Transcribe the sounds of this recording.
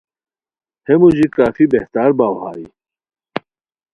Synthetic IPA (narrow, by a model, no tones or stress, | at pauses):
hemud͡ʑikaːfibeht̪aːɾbaːwhaːi